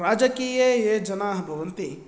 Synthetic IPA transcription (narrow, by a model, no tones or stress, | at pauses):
ɾaːd͡ʒəkiejed͡ʒɐnaːɦbʱɐʋənt̪i